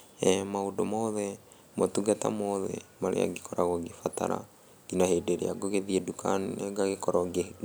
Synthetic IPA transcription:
ɛmaodomɔðɛ | motuɡata̰mɔðɛ̰maɾḛa̰ɡekʰɔɾaɣoɡefata̰ɾa̰ | ɡinahedeɾḛaɡoɣeðiedukʰaneɡaɣekɔɾɔɡe

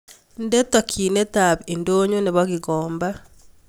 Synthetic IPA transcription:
ndetwakʰiːnetaβendoːɲoneβaɣiɣɔːmba

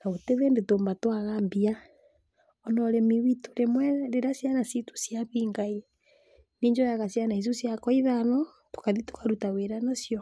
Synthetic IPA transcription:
naɣoteβendetoːmbatwaɣaːmbia | onɔɾemiwituɾemwɛɾeɾasjanasitu̥sjaβiːŋɡai | neɲd͡ʒojaɣasjanais̬usjakoiðanɔ | tu̥kaðitu̥kʰaɾutaweɾanasjo

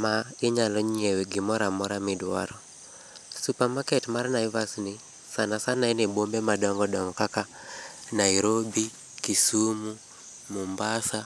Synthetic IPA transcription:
maɪɲalɔɲieweɡɪmɔɾamɔɾamɪdwa̰ɾɔ | supamakɛtmarnaɪvasni | sanasanaɛnebombemadɔŋɡɔdɔŋɡɔkakanaiɾobi | kisumu | mumbasa

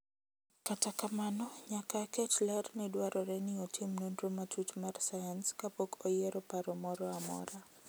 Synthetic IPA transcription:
katakamanɔɲakakɛt͡ʃlɛrnɪdwaɾʔɔɾɛnɪotʰimnondromatutmarsajanskapokʰojɛɾɔpaɾɔmɔɾɔamɔ̰ɾa

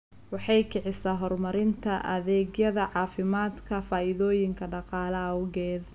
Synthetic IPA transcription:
wɑħɑjkʰɪʕɪsaɦɔrmɐɾɪnt̪ʰɐʔɐ̰ðɛːɡjɐðɐʕɑːfɪmaːd̪kʰɐfaːʔɪðɔːjɪŋkʰɐɖɑqɑːlɐɐʊɣɛːd̪

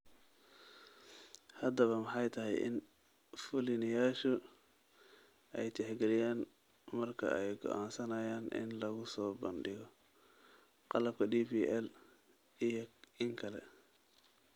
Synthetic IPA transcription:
hɐd̪ɐβɐmɑħɑjt̪ʰɐɦɛjʔɪ̰n | fʊlɪnɪjaːʃʊ | ɛjt̪ʰɛħɡɛlɪjaːn | mɐrkʰɐ̰ʔɛjɡɔ̰ʔaːnsɐnɐjaːnʔɪ̰nlɐɣʊsɔːbɐnɖɪɣɔ | qɑlɐb̚kʰɐdiːpiːʔɛl | ɪŋkʰɐlɛ̰

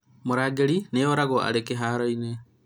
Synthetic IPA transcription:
moɾaːɡeɾineoɾaɣoa̰ɾekeɦaːɾoine

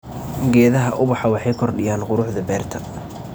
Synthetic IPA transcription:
ɡɛːðɐɦɐʔʊbɑħɑwɑħɑjkʰɔrɖɪjaːnqʊɾʊħðɐbɛːrt̪ʰɐ̥

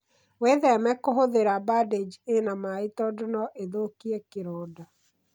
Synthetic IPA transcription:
weðɛmɛkoɦoðeɾabaded͡ʒenamaitɔdonɔʔeðokiɛkeɾɔːda

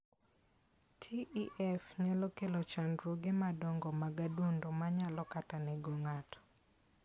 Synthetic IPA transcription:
tʰiʔiʔɛfɲalɔkelot͡ʃandɾoɡemadɔŋɡɔmaɡadondomaɲalɔkatanɛɡoŋatɔ̥

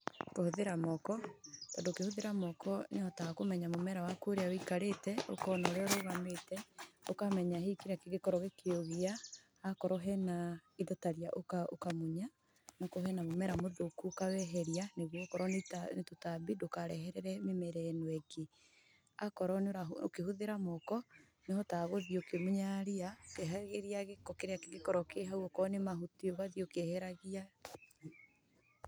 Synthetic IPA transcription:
kohoðeɾamɔkɔtɔndokehoðeɾamɔkʰɔneɔtakomɛɲamomɛɾawakoːɾeawoikaɾetɛo̰kɔnaɾeɔɾoɣametɛo̰kamɛɲahekeɾakeɣekɔɾɔɣekeoɣiaː | kɔɾɔɦɛnaiðɔtaɾjaʔokao̰kamoɲa | nakoɦɛnamomɛɾamoðokukawɛɦɛɾianeɣɔkɔɾɔnetanetotabidokaɾɛ̰ɦɛɾɛɾɛmemɛɾɛnwɛɡe | akɔɾɔneoɾao̰kehuðeɾamɔkɔ | neɔtaɣoðiokemoɲaɾiaokeɦaɣeɾiaɣekɔkeɾeakɣekɔɾɔkeɦauɔkɔnemaɦuteoβaðiokehɛɾaɣia

